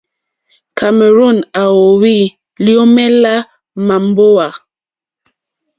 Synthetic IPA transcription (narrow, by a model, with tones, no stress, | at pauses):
ka˨me˨ɾo˦˨na˨wo˨wi˦˨ | ljo˦mɛ˦la˦ | ma˨m˦bo˦wa˨